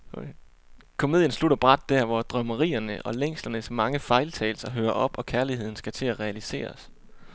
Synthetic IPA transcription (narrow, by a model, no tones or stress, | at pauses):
kʰo̝me̝ð̰ˠjənsluɾ̥ɐb̥ʁɑd̥̚ːæɐ̰ʋɒd̥ʁœməʁḭːɐnəʔɒ̽leŋ̰slɐnəsmɑ̈ŋəfɑ̈ɪlt͡sʰɛ̰ːlsɐɦøːɐʔɒ̽b̥ɒ̽kʰæɐlihe̝ð̰ˠn̩sɡ̥æt͡sʰe̝læʁɛælise̝̰ːɐs